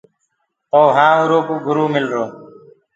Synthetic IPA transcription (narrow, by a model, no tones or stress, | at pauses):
t̪oːɦãːuɾoːkoːɡʱʊɾuːmɪlɾoː